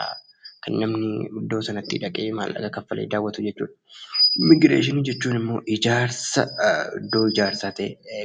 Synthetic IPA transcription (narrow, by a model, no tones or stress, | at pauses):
kɐnːɐmnɪʊd̪ːo̞ːsɐnɐt̪ːɪ̰ᶑɐkʼeːma̰ːlɐ̰ɡɐkɐfːɐlʔḛːd̪aːwːɐt̪ʊd͡ʒɛt͡ʃːṵːᶑɐ̥mɪɡɾeːʃ̬ɪnɪd͡ʒɛt͡ʃːuːnɪmːo̞̰ːʔɪd͡ʒaːɾsɐd̪oːɪd͡ʒaːɾsaːt̪ɐʔe